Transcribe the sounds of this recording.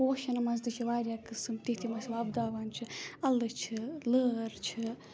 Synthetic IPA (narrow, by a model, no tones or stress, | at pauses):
oːʃɐnɐmɐzd̪ɨt͡ʃʰiʋaːɾʲjaːkɨsɨmt̪iht̪ʰimɐsʲlaɐbd̪aːʋant͡ʃʰɨɐlːɨt͡ʃʰɨləːɾt͡ʃʰɨ